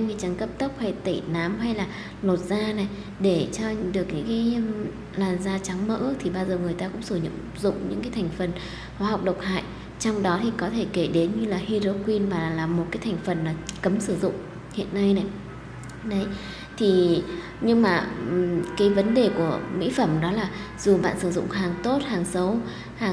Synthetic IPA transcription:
ŋʰi˨˩t͡ɕa˨˦ŋkə˦˥p̚t̪ə˦˥k͡p̚ha˧jt̪i˧˩naː˨˦mɦa˧jlaː˨˩ | no˨˩t̚z̥aː˧na˨˩j | ɗe˧˩t͡ɕɔ˧ɗɨ˨˩ək̚ɲɨ̰˧˥ŋkaː˨˦j | laː˨˩mzaː˧t͡ɕa˨˦ŋmə̰ː˧˥˦k̚t̪ʰi˨˩ɓaː˧wzəː˨˩ŋɨ˨˩əjt̪aː˧kʊ̰˧˥ŋ͡msɨ˧˩ɲə̰˧˨mzʊ̰˧˨ŋ͡mɲɨ̰˧˥ŋkaː˨˦jt̪ʰa˨˩jŋ̟fə˨˩n | xwaː˨˦ɦa˨˩wk͡p̚ɗə˨˩wk͡p̚ha̰ː˧˨j | t͡ɕɔ˧wŋ͡mɗɔ˨˦t̪ʰi˨˩kɔ˨˦t̪ʰe˧˩ke˧˩ɗe˨˦nɲɨ˧laː˨˩hi˧zo˧kwi˧nvaː˨˩laː˨˩mːo˨˩t̚kaː˨˦jt̪ʰa˨˩jŋ̟fə˨˩nlaː˨˩kə˨˦msɨ˧˩zʊ̰˧˨ŋ͡m | hḭ˧˨ənːa˧jna˨˩j | ɗə˨˦j | t̪ʰi˨˩ | ɲɨ˧ŋmaː˨˩˨kaː˨˦jvə˨˦nɗe˨˩ku˧˩əmḭ˧˥fə˧˩mɗɔ˨˦laː˨˩ | z̥u˨˩ɓa̰ː˧˨nsɨ˧˩zʊ̰˧˨ŋ͡mɦaː˨˩ŋt̪o˦˥t̚haː˨˩ŋsə˨˦w | haː˨˩

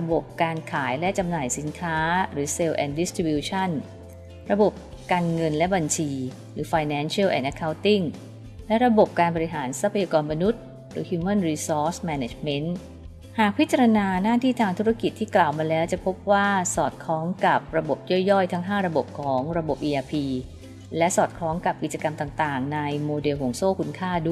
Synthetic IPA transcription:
ɾa˧bo˨˩p̚kaː˧nkʰaː˩˦jlɛ˦˥ʔt͡ɕa˧mnaː˨˩jsi˩˦nkʰaː˦˥ɾɯː˩˦se˧wʔɛː˧ndi˦˥st̪ɾi˧bjuː˧t͡ɕʰa˥˩n | ɾa˧bo˨˩p̚ | kaː˧nŋɤ˧nlɛ˦˥ba˧nt͡ɕʰiː˧ | ɾɯː˩˦faː˧jnɛː˦˥nsʰi˦˥˩wʔɛ̰ː˨˩nʔa˧˩kʰːa˧˥wt̪i˥˩ŋ | lɛ˦˥ʔɾa˧bo˨˩p̚kaː˧nbɔ˧ɾi˧ɦaː˩˦nsa˦˥pʰːa˧jaː˧kɔː˧nma˧nu˦˥t̪̚ | ɾɯː˩˦hjuː˧ma˥˨nɾiː˧sɔː˦˥smɛ˧ne˨˩t͡ɕme˦˥n | haː˨˩k̚pʰi˦˥t̪̚t͡ɕa˧ɾa˧naː˧naː˥˩t̪ʰiː˥˩t̪ʰaː˧ŋt̪ʰu˦˥ɾa˦˥ki˨˩t̪ʰːiː˥˩klaː˨˩wmaː˧lɛː˦˥wt͡ɕa˨˩pʰo˦˥p̚waː˥˩sɔː˨˩t̪̚kʰɔː˦˥ŋka˨˩p̚ɾa˧bo˨˩p̚jɔ˥˩jːɔ˥˩jt̪ʰa˦˥ŋɦaː˥˩ɾa˧bo˨˩p̚kʰɔː˩˦ŋɾa˧bo˨˩p̚ʔiː˧ʔaː˧pʰiː˧ | lɛ˦˥ʔsɔː˨˩t̪̚kʰɾɔː˦˥ŋka˨˩p̚ki˨˩t̪̚t͡ɕa˧ka˧mt̪aː˨˩ŋt̪aː˨˩ŋna˧jmoː˧de˧wkʰo˨˩˦ŋsoː˥˩kʰu˧nkʰaː˥˩du˥˩

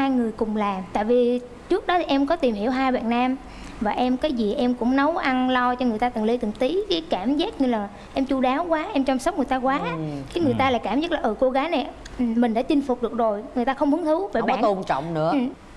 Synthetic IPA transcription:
haː˧jŋɨ˨˩əjkʊ˨˩ŋ͡mlaː˨˩t̪a̰ː˧˨jvi˨˩ | t͡ɕɨ˦˥k̚ɗɔ˨˦t̪i˨˩ʔɛ˧mkɔ˨˦t̪i˨˩mhi˧˩əwɦaː˧jɓa̰ː˧˨nːaː˧m | vaː˨˩ʔɛ˧mkaː˨˦jzi˨˩ʔɛ˧mkʊ̰˧˥ŋ͡mnə˨˦wʔa˧nlɔ˧t͡ɕɔ˧ŋɨ˨˩t̪aː˧ɨ˨˩ŋli˧t̪ɨ˨˩ŋt̪i˨˦kaː˨˦jkaː˧˩mzaː˦˥t̚ɲɨ˧laː˨˩ | ʔɛ˧mt͡ɕu˧ɗaː˨˦wkwaː˨˦ʔɛ˧mt͡ɕɔ˧wmsə˦˥k͡pŋɨ˨˩əjt̪ːkwaː˨˦ki˨˦ŋɨ˨˩əjt̪aː˧la̰ː˧˨jkaː˧˩mzaː˦˥t̚laː˨˩ʔəː˧˩ko˧ɣaː˨˦jna˨˩j | mï˨˩ŋ̟ɗa̰ː˧˥t͡ɕï˧ŋ̟fʊ˨˩k͡p̚ɗɨ˨˩ək̚zo˨˩jŋɨ˨˩ət̪aː˧xə˧wŋ͡mhu˨˦əŋhɨ˨˦wveː˧˨˩ɓa˦˧˨nt̪o˧nt͡ɕɔ̰˧˨wŋ͡mnɨ̰˧˥ə˨˩

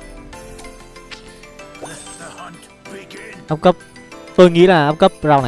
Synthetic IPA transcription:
ʔaː˦˥p̚kə˦˥p̚ | t̪o˧jŋḭ˧˥laː˨˩ʔaː˦˥p̚kə˦˥p̚za˧wna˨

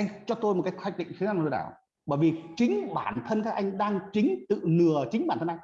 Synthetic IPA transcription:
a˧jŋ̟t͡ɕɔ˧t̪o˧jm˨˩t̚kaː˨˦jxʰa˧˩jk̚ɗḭ˧˨ŋ̟t̪ʰːnaː˧˨˩t̪ːɗa̰ː˧˩w | ɓə̰ː˧˨jvi˨˩t͡ɕï˨˦ŋ̟ɓaː˧˩nt̪ʰə˧nkaː˦˥kʔa˧jŋ̟ɗaː˧ŋt͡ɕï˨˦ŋ̟t̪ɨ̰˧˨nɨ˨˩ət͡ɕï˨˦ŋ̟ɓaː˧˩t̪ə˧nʔa˧jŋ

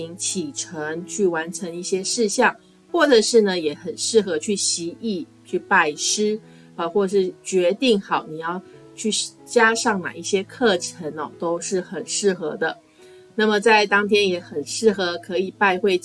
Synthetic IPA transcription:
i˧˥ŋt͡ɕʰi˨˩ʈ͡ʂʰə˧˥ŋt͡ɕʰy˥˩wa˧˥nʈ͡ʂʰə˧˥ŋi˥˩ɕjɛ˥ʂɻ̩˥˧ɕjɑ˥˩ŋ | xwɔ˥˩ʈ͡ʂə˨˩ʂɻ̩˥˩nə˩jɛ˨˩˦xə˨˩nʂɻ̩˥˩xɤ˧˥t͡ɕʰy˥˩ɕi˧˥i˥˧ | t͡ɕʰy˥˧pa˥˩ɪʂɻ̩˥ | ə˨˩xwɔ˥˧˨ʂɻ̩˥˩t͡ɕɥɛ˧˥t̪i˥˩ŋxɑ˨˩ʊni˨˩jɑ˥˩ʊt͡ɕʰy˥˩t͡ɕja˥ʂɑ˥˩ŋna̰˨˩i˥˩ɕjɛ˥kʰɤ˥˩ʈ͡ʂʰə˧˥nɔ˨˩t̪o˥ʊʂɻ̩˥˩xə˨˩nʂɻ̩˥˩xɤ˧˦d̪ə˧ | na˥˩mə˩t͡sa˥˩ɪt̪ɑ˥ŋt̪ʰjɛ˥njɛ˧˥xə˨˩nʂɻ̩˥˩xɤ˧˥kʰɤ˧˥i˨˩pa˥˧ɪxwe˥˧ɪ

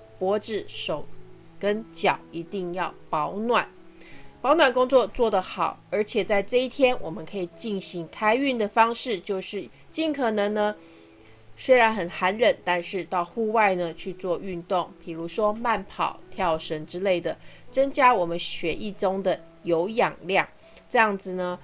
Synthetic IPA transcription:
pwɔ˧˥ʈ͡ʂɻ̩˥˩ʂo˨˩ʊ | kə˦nt͡ɕjɑ˨˩ʊi˧˥t̪i˥˧ŋjɑ˥˩ʊpɑ˧˥ʊnwa˨˩˦npɑ˧˥ʊnwa˨˩nkʊ˥ŋt͡swɔ˥˧t͡swɔ˥˩d̪ə˩xɑ˨˩˦ʊə˞˧˥t͡ɕʰjɛ˨˩t͡sa˥˧ɪʈ͡ʂɤ˥˧i˥˩t̪ʰjɛ˥nwʔɔ˨˩mə˦nkʰɤ˧˥i˨˩t͡ɕi˥˩nɕi˧˥ŋkʰa˥ɪy˥˩nd̪ə˩fɑ˥ŋʂɻ̩˥˩t͡ɕjo˥˧ʊʂɻ̩˥˩ | t͡ɕi˥˩nkʰɤ˨˩nɤ˧˥ŋnə˧ | swe˥ɪɻa˧˥nxə˨˩nxa˧˥nɻə˨˩nt̪a˥˧nʂɻ̩˥˧t̪ɑ˥˧ʊxu˥˧wa˥˧ɪnə˩t͡ɕʰy˥˧t͡swɔ˥˧y˥˧nt̪ʊ˥˩ŋpʰi˨˩ɻu˧˥ʂwɔ˥ma˥˩npʰɑ˨˩˦ʊt̪ʰjɑ˧˥ʊʂə˧˥ŋʈ͡ʂɻ̩˥le˥˩ɪd̪ə˩t͡sə˥ŋt͡ɕja˥wɔ˨˩mə˦nɕɥɛ˧˥ʔi˥˩ʈ͡ʂʊ˥ŋd̪ə˨ | jo˧˥ʊjɑ˨˩ŋljɑ˥˩ŋ | ʈ͡ʂɤ˥˧jɑ˥˩ŋd͡zɹ̩˨˩nə˩

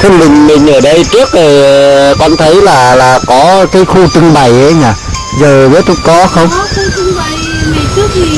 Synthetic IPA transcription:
t̪ʰe˨˧mï˨˩ŋ̟mï˨˩ŋ̟ʔəː˧˩ɗə˧jt͡ɕɨ˦˥ək̚zo˨˩jkɔ˧nt̪ʰə˨˦jlaː˨˩laː˨˩kɔ˨˦kaː˨˦jxu˧t͡ɕɨ˧ŋɓa˨˩jʔə˨˦ɲaː˨˩ | zəː˨˩vəː˨˦jt̪ʰʊ˧˥ŋ͡m̚kɔ˨˦xə˧wŋ͡m

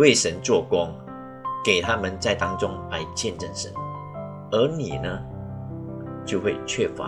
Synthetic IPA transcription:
we˥˩ɪʂə˧˦nt͡swɔ˥˩kwɑ˥ŋ | ke˨˩ɪt̪ʰa˥mə˨˦nt͡sa˥˩ɪt̪ɑ˥ŋt͡sʊ˥ŋla˧˥ɪt͡ɕjɛ˥˧nʈ͡ʂə˥˩ŋʂə̰˨˧˦n | ə˧˥nḭ˨˩nə˦ | t͡ɕjo˥˧ʊxwe˥˧ɪt͡ɕʰɥɛ˥˩fa̰˧˦

